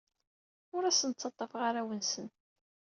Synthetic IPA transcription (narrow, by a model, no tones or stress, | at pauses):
ʊɾæsənt͡sːɑt̪ˤːɑfʁaɾæwənsən